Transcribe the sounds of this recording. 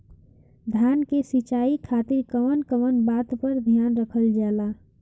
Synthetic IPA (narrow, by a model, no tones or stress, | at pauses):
d̪ʱjaːnkesit͡ʃaːikʰaːt̪ɪɾkəʋənkəʋənbaːt̪pəɾd̪ʱjaːnɾəkʰəld͡ʒaːlaː